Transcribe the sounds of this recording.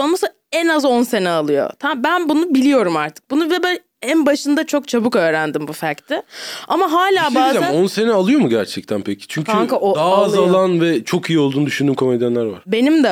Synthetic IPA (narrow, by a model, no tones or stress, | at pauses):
onmas | ɛnazo̞nse̞nɛalˠɯjo̞̰t̪ʰambænbunubilʲijo̞ɾumaɾt̪ʰɯ̥k̚bunuvɛbæn | ænbaʃɯnd̪at͡ʃʰo̞k̚t͡ʃʰabɯkø̞ːɾænd̪imbufæɾct̪ʰɪamaɦaːlʲaːbaːzaonse̞nɛalˠɯjo̞muɟæɾt͡ʃʰɛc̚t̪ʰænpʰecʰi̥t͡ʃʰyɲcʰayŋkaʔod̪aːzalˠanvɛt͡ʃʰo̞kijio̞lˠuːd̪yʃynd̪yːmkʰo̞med̪jænlʲæɾva̰ɾ̥be̞nimd̪ɛ